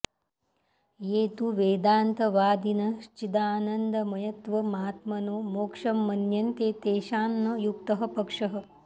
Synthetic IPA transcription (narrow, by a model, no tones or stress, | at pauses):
jeːt̪uʋeːd̪aːnt̪ɐʋaːd̪inɐʃt͡ʃid̪aːnɐnd̪ɐmɐjɐt̪ʋɐmaːt̪mɐnoːmoːkʂɐmːɐnjɐnt̪eːt̪eːʃaːmnɐjuk̚t̪ɐɦɐ̆pɐkʂɐɦɐ̆